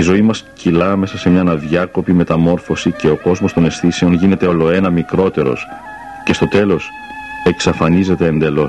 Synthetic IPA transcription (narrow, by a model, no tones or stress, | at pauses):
izo̞imɐscilɐme̞sɐse̞mɲɐnɐðʝɐko̞pime̞t̪ɐmo̞ɾfo̞sice̞o̞ko̞zmo̞st̪o̞ne̞sθise̞onʝine̞t̪e̞o̞lo̞e̞nɐmikɾo̞t̪e̞ɾo̞̰s | ce̞st̪o̞t̪e̞lo̞s | e̞ksɐfɐnize̞t̪e̞ːnd̪elo̞s